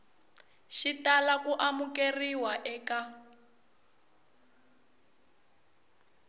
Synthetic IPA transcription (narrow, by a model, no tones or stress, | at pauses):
ʃitalakuʔamukeriwaʔɛːka